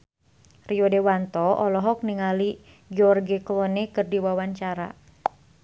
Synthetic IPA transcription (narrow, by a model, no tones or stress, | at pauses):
riɔdɛwant̪ɔɔlɔɦɔk̚niŋali | ɡiɔrɡiklɔnɛkɨrdiwawaɲt͡ʃaɾa̰